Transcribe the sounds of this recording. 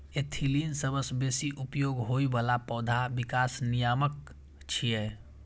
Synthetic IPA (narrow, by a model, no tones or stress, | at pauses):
et̪ʰilinsəbəsbeːsiʔupjoːɡɦoibalapɔːd̪ʱabɪkaːsnijaːmək̚ | t͡ʃʰijɛ